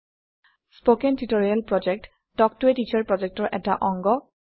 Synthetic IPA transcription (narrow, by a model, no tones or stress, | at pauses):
spokɛntitoɹialpɹɔd͡ʒɛk̚t | dɔk̚tuetit͡ʃaɹpɹɔd͡ʒɛk̚tɔɹʔɛtaʔɔŋɡɔ